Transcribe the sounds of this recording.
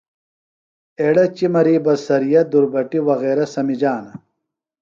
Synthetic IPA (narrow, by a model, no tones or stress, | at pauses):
eːɽɐt͡ɕimɐɾiːbɐsɐɾijɐd̪uɾbɐʈiwɐɣeːɾɐsɐmid͡ʑaːnɐ